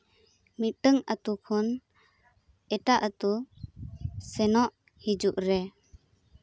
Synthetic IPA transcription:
mit̪̚ɖəŋət̪ukʰɔn | ɛʈaʔət̪u | sɛnɔʔ | hid͡ʒuʔɾɛ

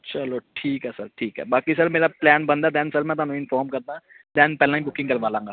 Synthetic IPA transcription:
t͡ʃɐloʈʰiːkɦɛːsɐɾʈʰiːkɦɛ̰ːbaːkisɐɾmeːɾaplɛːnbɐ̃nd̪aːd̪ɛ̃ːnsɐɾmɛ̃t̪ʊanũɪnfɔːɾmkɐɾt̪ã | d̪ɛ̃ːnpɛːlãĩbʊkɪ̃ŋkɐɾʋaːlãːŋɡaː

